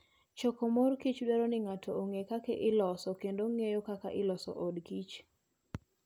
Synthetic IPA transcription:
t͡ʃokomorkit͡ʃdɛɾonɪŋatʰooŋekakeʔɪlɔsɔkendoŋejokaka̰ʔɪlɔsɔ̰ʔodkit͡ʃ

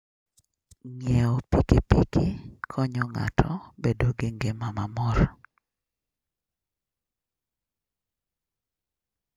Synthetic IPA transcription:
ŋjɛɔpikipikikʰɔɲɔŋa̰tʰɔbedoɡeŋɡemamamɔɾ

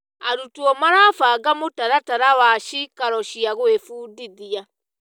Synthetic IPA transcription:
aɾutuɔmaɾafaːɡamotaɾataɾawaʃikaɾɔʃiaɣwefuːdiðia

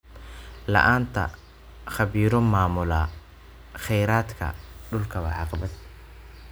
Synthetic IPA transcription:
lɐ̰ʔaːnt̪ʰɐ̰ | χɑβiːɾɔmaːmʊlaː | χɛjɾaːd̪kʰɐ̰ɖʊlkʰɐwɑ̰ʕɑqbɐd̪

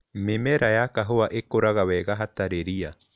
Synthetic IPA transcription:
memɛɾajakaɦoaʔekoɾaɣawɛɣaɦataɾeɾia

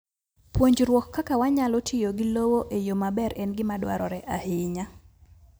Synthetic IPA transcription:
pwoɲd͡ʒɾwɔkːakawaɲalɔtʰɪjoɡɪlowoʔejomabɛɾɛnɡɪmadwa̰ɾɔɾɛʔahɪɲa

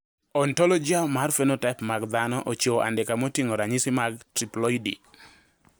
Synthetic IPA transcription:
ɔntɔlɔd͡ʒiamarfenotaɪpmaɡd̪anɔʔot͡ʃoʔa̰ndɛkamotiŋoɾaɲɪsɪmaɡtɾiplɔidḭ

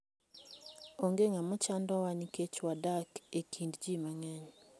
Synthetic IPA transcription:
oŋɡeŋamɔt͡ʃandɔwaniket͡ʃwadakekʰindd͡ʒimaŋɛɲ

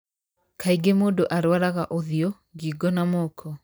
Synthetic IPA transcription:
kʰaiɡemoːdoʔaɾwaɾaɣaʔoðiɔ | ɡiːɡɔnamɔkʰɔ

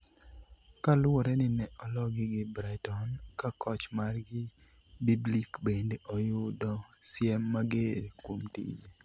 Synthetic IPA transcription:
kalʊɔɾɛnɪnɛʔɔlɔɡɪɡɪbɾaɪtɔnkakɔt͡ʃmarɡɪ | biblikbendeʔɔjʊdɔsjɛmːaɡeɾkwomtḭd͡ʒe

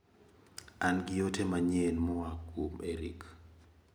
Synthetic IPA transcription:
anɡɪjotʰemaɲenmɔakːomeɾḭk

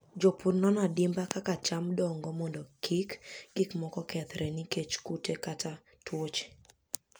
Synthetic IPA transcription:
d͡ʒopuɾnɔnadɪmbakakat͡ʃamdɔŋɡɔmɔndɔkʰikɡ̥ikmɔkɔkɛt̪ɾɛniket͡ʃkutekata | twot͡ʃ

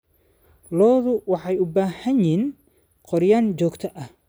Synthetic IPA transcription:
lɔːðʊwɑħɑjʊbaːhɐnin | qɔɾjaːnt͡ʃɔːɡt̪ʰɐʔɐh

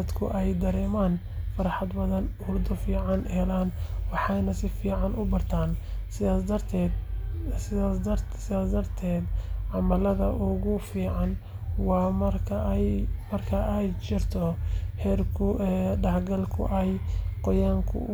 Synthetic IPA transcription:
ɐd̪kʰʊ̰ʔɛjd̪ɐɾɛːmaːn | fɐɾɑħɑd̪bɐðɐnhʊrd̪ʊfiːʕɑnhɛlaːnwɑħɑjnɐsɪfiːʕɑnʔʊbɐrt̪ʰaːnsɐt̪ʰɛ | sɪaːsd̪ɐrt̪ʰɛːd̪ʕɑmɐlɐðɐʔʊɣʊfiːʕɑn | wɑːmɐrkʰ | mɐrkʰɐʔɛjt͡ʃɪrt̪ʰɔhɛːrkʰʊʔɛɖɑħɡɐlkʰʊ̰ʔɛjqɔjaːŋkʰʊ̰

